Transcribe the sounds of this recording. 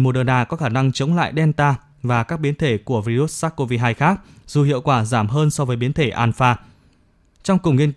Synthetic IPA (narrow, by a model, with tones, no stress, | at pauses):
mo˨˩ɗəː˧˩naː˨˩kɔ˨˦xaː˧˩na˧ŋt͡ɕə˨˦wŋ͡mla̰ː˧˨jɗɛ˧nt̪aː˧ | vaː˨˩kaː˦˥k̚ɓi˨˦ənt̪ʰe˧˩ku˧˩əvi˧zu˦˥t̚saː˦˥k̚ko˧vi˧ɦaː˧jxaː˦˥k̚z̥u˨˩hḭ˧˨əwkwaː˧˩zaː˧˩mɦəː˧nsɔ˧vəː˨˦jɓi˨˦ənt̪ʰe˧˩ʔaː˧nfaː˧ | t͡ɕɔ˧wŋ͡mkʊ˨˩ŋ͡mŋi˧ən